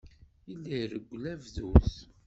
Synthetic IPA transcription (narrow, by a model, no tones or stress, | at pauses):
ilːiɾəɡʷːlævðuθ